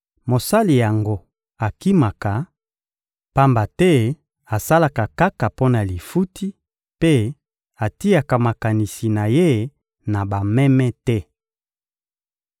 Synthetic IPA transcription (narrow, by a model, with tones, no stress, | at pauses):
mo˨sa˦li˨ja˨ŋɡo˦ | a˨ki˦ma˨ka˨ | pa˦mba˨tɛ˦ | a˨sa˦la˨ka˨ka˦ka˨po˦na˨li˨fu˦tʰi˦ | pe˦ | a˨ti˦a˨ka˨ma˨ka˨ni˨si˨na˨je˦ | na˨ba˨mɛ˦mɛ˦tɛ˦